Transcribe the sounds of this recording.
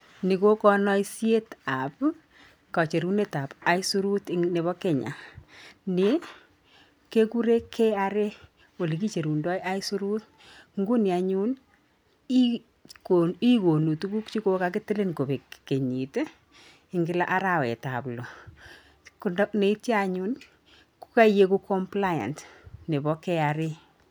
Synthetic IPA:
ni˨ko˦kɔ˦nɔ˦i˦sje˦ta˨p | ka˨t͡ʃe˨ɾu˦ne˦ta˨pa˨˦i˦su˦ɾu˦tne˨βɔ˦ke˦ɲa̰˨ | ne˦ | ke˦ku˦ɾe˦kʰːe˦a˦ɾe˦ | wo˨le˨k̬i˦t͡ʃe˨ɾu˨ndɔ˦ja˦i˦su˦ɾu˦t̚ | ŋɡu˦nja˨ɲu˦n | i | koi˦ko˨nu˨tu˦ku˦kt͡ʃi˦ko˦ka˦k̬ɪ˦te˦le˦nko˨be˨kke˨ɲi˨te˦ | ɪŋɡɪ˦la̰ʔa˦ɾa˨wɛ̰˨ta̰˨plo˨ | ku˨ndne˦i˦tja˦ɲu˦n | ku̥˦ka˦je˦ku˦kʰɔ˦mpla˦ja̰˨ntne˨bɔ˦kɛ˦aɾe˦

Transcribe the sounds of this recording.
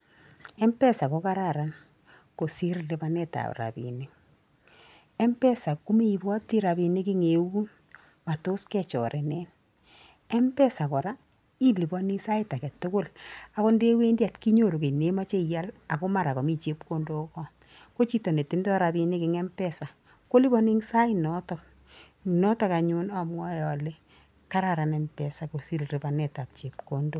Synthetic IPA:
ɛ˦mpɛ˦sa˨ko˦ka˦ɾa˨ɾa˨n | ko˨si˦ɾle˦ba˦nɛ˦ta̰˨ɾa̰˨bḭ˨ne˦ | ɛ˦mpɛ˦sa˨ku˦me˦i˨bɔ˦ti˦ɾa˨bi˨ne˦kɪ˦ŋe˨wu˦n | ma˨to˦skɛ˦t͡ʃɔ̰˨ɾʔɛ˨nɛ˦n | ɛ˦mpɛ˦sa˨kɔ˨ɾa˦ | i˦li˨bɔ˦ni˦sa˦ɪ˦ta˨kɛ˨tːʊ˦kʊ˦la˨kɔ˦nde˦we˦ndja˨tki˦ɲo˦˨ɾu˨ke˨ne˦ma˦t͡ʃe˦ja˦la˨ko˦ma˨ɾa˨kɔ˨mi˦t͡ʃe˦pko˦ndo˦kɔ˦ | ko˦t͡ʃi˦to˨ne˨ti˦ndɔ˦ɾa˨bi˨ne˦kɪ˨ŋɛ˦mpɛ˦sa˨ | ko˦li˦bɔ˦ni˦ŋsa˦inɔ˦tɔ˦ | nɔ˦tɔ˨ka˨ɲʊ˦na˨mwɔ˦jɔ˨le˦ | ka˦ɾa˨ɾa˨nɛ˨mpɛsa˨ko˨si˦lri˨ba˨nɛ˨ta˨p̚t͡ʃe˨pko˨ndo˦

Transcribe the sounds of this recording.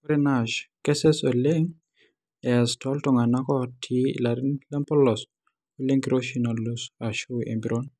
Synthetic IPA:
kuɾe˦na˨ʃkɛ˦sɛ˦so˨le˦ŋ | ɛ˨a˨stʰɔ˦ltɔ˨ŋa˨na˦kɔ˦tʰi˦ḭ˨la˨ɾi˦nlɛ˦mpɔ˦lɔ˨s | o˦le˦ŋki˨ɾoʃi˦nɔ˨losa˨ʃu˦ḛ˨mbi˨ɾo˦n

